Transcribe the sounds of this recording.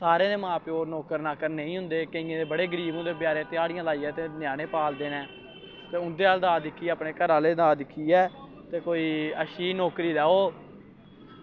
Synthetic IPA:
saːɾẽːd̪eːmãːpeːoːɾnɔːkəɾnaːkəɾneːĩːɦʊ̃nd̪eːkəĩːẽːd̪eːbəɽeːɡəɾiːbõːd̪eːbjaːɾẽːt̪ɪjaːɽɪjãːlaːiːɛːt̪eːnjaːneːpaːld̪eːnɛ̃ː | t̪eːʊnd̪eːaːld̪aːd̪ɪkʰːiːaːpneːkəɾãːleːd̪aːd̪ɪkʰːiːɛː | t̪eːkoːiːəʃiːnɔːkɾiːd̪aːoː

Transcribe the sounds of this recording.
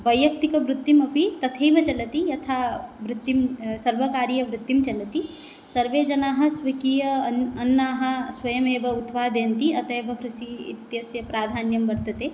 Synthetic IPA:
bɐjːɐkt̪ikɐʋɾut̪ːimɐpit̪ɐt̪ʰeːbʱɐt͡ʃɐlɐt̪ijɐt̪ʰaːʋɾut̪ːimsɐɾʋɐkaːɾijɐʋɾɪt̪ːimt͡ʃɐlɐt̪i | sɐɾʋeːd͡ʒɐnaːɦɐ̆sʋɐkiːjɐɐnːaːɦɐ̆sʋɐjɐmeːbɐut̪paːd̪eːnt̪iɐt̪ʰeːbɐkɾuʃiḭt̪jɐsjɐpɾaːd̪ʱaːnjɐmʋɐɾt̪ɐt̪eː

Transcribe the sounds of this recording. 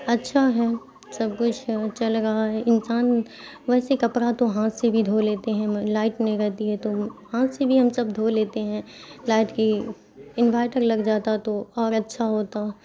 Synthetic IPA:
ɐtːʃʰaɦɛ | sɐb̚kʊt͡ʃʰt͡ʃɐlɾɐɦaɦɛɪnsaːn | ʋɛːsekɐpɾat̪oɦãːt̪sebʱid̪ʱoːleːt̪eɦɛ̃laːɪʈnẽɾɛɦt̪iɦɛt̪ohãːt̪sebʱiɦɐmsɐbd̪ʱoːleːt̪eɦɛ̃laːɪʈki | ɪnʋaːɪʈəɾlɐɡd͡ʒaːt̪at̪oɔːɾɐtːʃʰaɦoːt̪a

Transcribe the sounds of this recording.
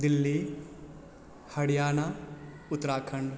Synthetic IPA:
d̪ɪlːi | hɐɽɪjaːna | ʊt̪ːɾaːkʰəɳɖ

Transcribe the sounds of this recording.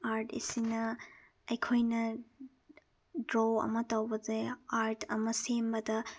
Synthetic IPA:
aɾtʰḭsinɐ | ɐjkʰojnɐ | dɾoɐ̰mɐtɐwbɐzeaɾtʰɐmɐsembɐdɐ

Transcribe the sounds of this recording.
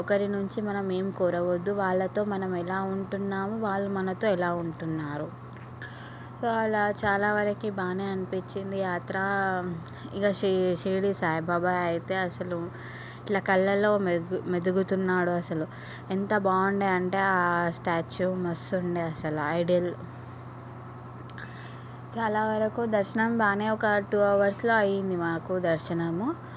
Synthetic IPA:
ɔkɐɾinuɲt͡ʃimɐnɐme̞ːmukuːɾɐʋod̪ːuʋaːɭːɐt̪o̞ːmɐnɐmɛlaːuɳʈunːaːmuʋaːɭːumɐnɐt̪o̞ːilaːuɳʈunːaːɾu | so̞ːɐlat͡ʃaːlaːʋɐɾɐkibaːneːɐnipit͡ʃːind̪ijaːt̪ɾa | ikɐʂiʂiːɽisaːjɐbʱaːbaːjɐjit̪e̞ːɐsɐlu | iʈlaːkɐlːɐlːoːmed̪uɡut̪unːaːɽuɐsɐlu | ent̪ɐbaːuɳɖeːɐɳʈe̞ːaːsʈaːt͡ʃumɐsuɳɖeːɐsɐluɐjɖiɐl | t͡ʃaːlaːʋɐɾɐkud̪ɐɾʃɐnɐmbaːneːɔkɐʈuːɐʋɐɾslo̞ːɐjind̪imaːkud̪ɐɾʃɐnɐmu

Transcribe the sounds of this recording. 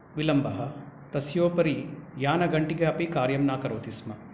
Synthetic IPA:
ʋilɐmbɐɦɐt̪ɐsjoːpɐɾijaːnɐɡɐɳʈiɡeɐpikaːɾjɐmnaːkɐɾoːt̪ismɐ

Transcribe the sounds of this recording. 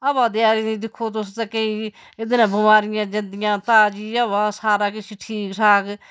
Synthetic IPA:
ɐbãːd̪ɪaːɾiːnĩːd̪ɪkʰːoːt̪ʊst̪ekei | ɪd̪nãːbʊmaːɾɪjãːd͡ʒɐ̃nd̪ɪjãːt̪aːd͡ʒiːəbaːsaːɾaːkɪt͡ʃʰiːʈʰiːkʈʰaːk

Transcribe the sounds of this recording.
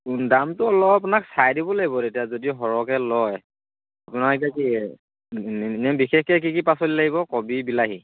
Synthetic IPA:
undamtʊɔlɔpapunaksajdibɔlaɡibɔtetijazodiʊɦɔɹɔkɛlɔj | apunaɔk̬ɛki | nɛbixɛxkɛk̬ikipasolilaɡibɔkɔbibilaɦi

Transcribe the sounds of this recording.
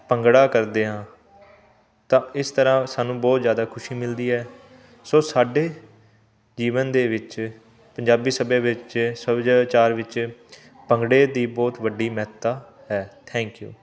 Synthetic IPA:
pəŋɡɽaːkəɾd̪eːɦãː | t̪ãːɪst̪əɾãːsaːnũːbɔːt̪zjaːd̪aːkʰʊʃiːmɪld̪iːɦɛː | soːsaːɖeː | d͡ʒiːʋənd̪eːʋɪt͡ʃ | pəɲd͡ʒaːbiːsəbeːʋɪt͡ʃsəd͡ʒt͡ʃaːɾʋɪt͡ʃ | pəŋɡɽeːd̪iːbɔːt̪ʋəɖːiːmɛɦt̪aː | ɦɛːt̪ʰɛ̃ːŋkjṵː

